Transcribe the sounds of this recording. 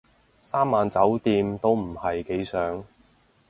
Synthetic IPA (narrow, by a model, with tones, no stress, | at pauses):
saː˥mːaː˨nt͡sɐ˨˥wt̪iː˧mt̪o˥wm̩˨˩hɐ˨jke˨˥jsœː˨˥ŋ